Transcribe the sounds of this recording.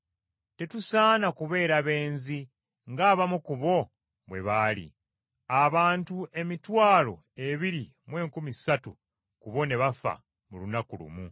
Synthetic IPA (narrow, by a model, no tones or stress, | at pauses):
te̞tusaːnakuβe̞ːɾaβe̞ːnzi | ŋɡaːβamukuβo̞ | βwe̞̰βaːlḭ | aβaːntuʔe̞mitwaːlo̞̰ | e̞βiɾi | mwe̞ːŋkumisatu | kuβo̞ne̞βafa̰ | mulunakulṵmu